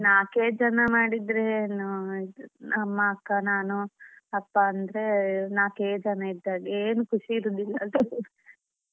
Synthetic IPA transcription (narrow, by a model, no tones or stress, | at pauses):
naːkeːd͡ʒɐnɐmaːɽid̪ɾenu | ɐmːɐːkːɐnaːnuɐpːaɐnd̪ɾe̞naːkeːd͡ʒɐnɐid̪ːaːɡeeːnukʰuʂiːɾud̪ilːɐd̪